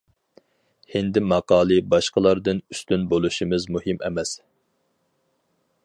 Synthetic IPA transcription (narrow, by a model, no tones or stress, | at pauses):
hend̪ɪmɑqɑːlˠɨbɑʃqəlˠɑɾd̪ɨnyst̪ynbolˠuʃimɪzmuhɪmɛmɛs